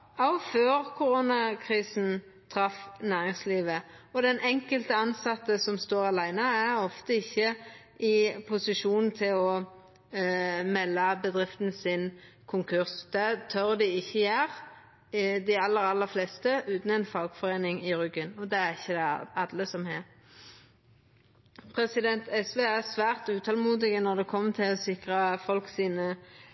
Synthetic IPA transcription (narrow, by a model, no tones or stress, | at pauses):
ɔʊføːʁkʰʊɾʊnɑkʰɾiːsn̩ | t̪ʰɾɑfnæːɾɪŋsliːʋəɔd̪ɛnʔɛŋkəlt̪əɑnsɑt̪ːəsɔmst̪oːɾɑlæɪnəæɾɔft̪əɪçːə | ɪpʰʊsɪʂuːnn̩t̪ʰɪlɔ | mɛlːɑbəd̪ʁɪft̪nsɪn | kʰʊŋkʰʉʁsd̪̥ɛt̪ʰœʁd̪ɪɪçːəjæːʁ | d̪ɪɑlːəɾɑlːəfleːst̪əʔʉːt̪n̩ɛɪnfɑːɡfɔʁeːnɪŋɪʁʏɡənɔd̪ɛːæʁɪçːəd̪ɛɑd̪ləsɔmheːɾ | pʰʁɛsɪd̪ɛnt̪ʰɛsʋeːæʁsʋæːʁt̪ʉːt̪ʰɑlmuːd̪ɪɡənɔʁd̪ɛkʰɔmːt̪ʰɪlɔsɪkʁəfɔlksiːnə